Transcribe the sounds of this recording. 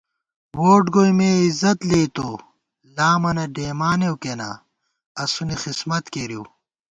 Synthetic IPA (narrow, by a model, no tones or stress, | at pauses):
woːʈɡojmeːizɐt̪leːt̪o | laːmɐnɐɖeːmaːnewkena̰ | ɐsunixismɐt̪keɾiw